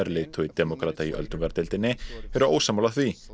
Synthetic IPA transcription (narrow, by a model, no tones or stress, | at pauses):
ɛɾleːt̪ʰɔit̪ɛmɔkɾaːt̪aiʔœ̰lt̪ʏmkaɾt̪ɪlt̪ɪnːɪɛɾʏo̰ːwsaːmawlaθvi